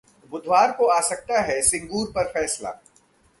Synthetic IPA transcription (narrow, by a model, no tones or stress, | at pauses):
bʊd̪ʱwaːɾkoaːsɐk̚t̪aɦɛsɪ̃ŋɡuːɾpɐɾfɛːsla̰ː